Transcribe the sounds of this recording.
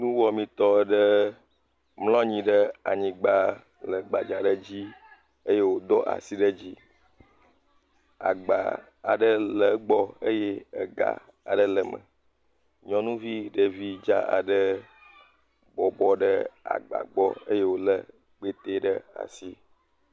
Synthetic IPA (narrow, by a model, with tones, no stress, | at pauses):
nũ˦wɔ˨mĩ˨t̪ɔ˦ɖə˦ | mlɔ̃˦ɲĩ˨ɖə˦a˨ɲĩ˨ɡ͡ba˦ | lə˨ɡ͡ba˨d͡ʒa˨ɖə˦d͡ʑi˦ | ə˦je˦wo˨d̪ɔ˦ʔa̰˨si˦ɖə˦d͡ʑi˦ | a̰˨ɡ͡ba̰˨ | a˨ɖə˦lə˨ɡ͡bɔ˦ə˦je˦ə˨ɡa̰˨ | a̰˨ɖə˦lə˨mə̰̃˨ | ɲɔ̃˦nũ˦vi˦ɖə˨vi˦d͡ʒa̰˦a̰˨ɖə˦ | bɔ˨bɔ˦ɖə˦a̰˨ɡ͡ba̰˨ɡ͡bɔ˦ə̰˦je˦wo˦lə˦ | k͡pe˦t̪e˦ɖə˦a̰˨si˦